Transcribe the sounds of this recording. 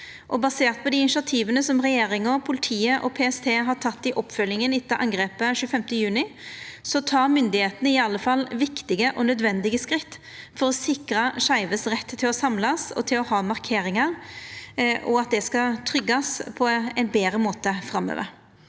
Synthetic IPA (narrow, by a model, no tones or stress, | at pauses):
ʔɔbɑseːɾt̪̚pʰɔd̪ɪɪnɪʃɪɑt̪ʰiːʋənəsɔmʁɛjeːɾɪŋɔpʰʊlɪt̪ʰiːəʔɔ̰pʰeːɛst̪ʰeːɦɑʈʰɑt̪ːɪʔɔpːfœljɪŋənɪt̪ːɑʔɑ̰ŋɡʁeːpəʃʉːəfɛmt̪əjʉːnɪsɔt̪ʰɑːɾmʏnd̪ɪheːt̪ənəɪɑlːəfɑlːʋɪkt̪ɪɡəʔɔnœd̪ʋɛnd̪ɪɡəskɾɪt̪ː | fɔɾɔsɪkɾəʂæɪʋəsʁɛt̪ːt̪ʰːɪlɔsɑmlɑsɔ̰t̪ʰɪlɔhɑːmɑʁkʰeːɾɪŋɑɾ | ʔɔ̰ɑt̪̚d̪ɛskɑt̪ʰɾʏɡːɑspʰɔɛɪnbeːɾəmoːt̪əfɾɑmːø̰ːʋə̰ɾ